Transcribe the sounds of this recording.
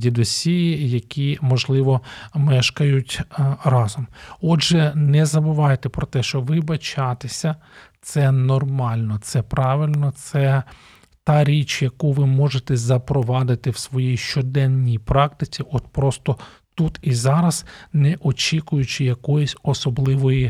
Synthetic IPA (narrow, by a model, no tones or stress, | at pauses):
dʲid̪ɔsʲijijɐkʲimɔʒlˠɪʋɔmɛʃkɐjʊtʲrɑzɔmɔdʒɛnɛzɐbʊʋɑjt̪ɛpɾɔt̪ɛʃt͡ʃɔʋɪbɐt͡ʃɑt̪esʲɐt̪sɛnɔrmɑlʲnɔt̪sɛpɾɑʋɪlʲnɔt̪sɛ | t̪ɑɾʲit͡ʃjɐkuʋɪmɔʒet̪ɛzɐpɾɔʋɑd̪ɪt̪ɪwsʋɔjijʃt͡ʃɔd̪ɛnːijpɾɑk̚t̪ɪt͡sʲiʔɔt̪pɾɔst̪ɔ | t̪ut̪izɑɾɐznɛʔɔt͡ʃʲikʊjʊt͡ʃɪjɐkɔjɪsʲɔsɔblˠɪʋɔji